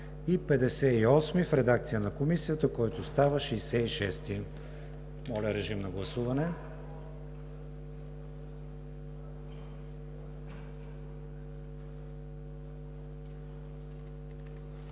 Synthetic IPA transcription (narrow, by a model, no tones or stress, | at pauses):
ipɛd̪ɛsɛiɔsmifɾɛd̪ak̚t̪sijənɐkomisiət̪əkɔjt̪ost̪avəʃijsɛiʃɛst̪i | mɔlʲəɾɛʒimnɐɡlˠɐsuvɐnɛ